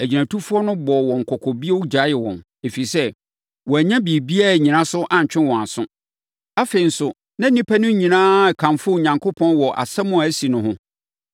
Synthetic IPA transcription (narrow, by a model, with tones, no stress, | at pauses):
æ˨d͡ʑi˨næ̃˨tʰu˦fu˦ɔ˦nʊ̃˦bɔ˨wɔ̃˨ŋ̩˨kʰɔ˨kʰɔ˨bi˦ɛ˦wu˦d͡ʑa˨˦jɪ˨wɔ̰̃˨n | e˨fi˨sɛ˦ | wɔ˨æ˨ɲã˦bi˨bi˦a˦˨ɲĩ˨nã˦sʊ˦ʔã˨ɲ˨t͡ɕᶣɪ̃˦wɔ̃˨a˨sʊ̃˦ | a˦fe˨i˨n̩˦sʊ˨ | nã˦nĩ˦pʰæ˦nʊ̃˦ɲĩ˨nãː˦˨kʰã˨mfʊ˦˨ɲã˨ŋkʰo˦pʰɔ̃˦nwɔ˨ʔa̰˨sɛ˦mʊ̃˦a˨æ˦si˨nʊ̃˦ɦʊ̃˦